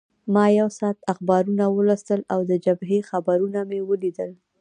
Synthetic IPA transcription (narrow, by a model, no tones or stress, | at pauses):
mɑjawsɑːt̪axbɑɾunawəlast̪əlawd̪əd͡ʒabɦexabaɾunamewəlid̪əl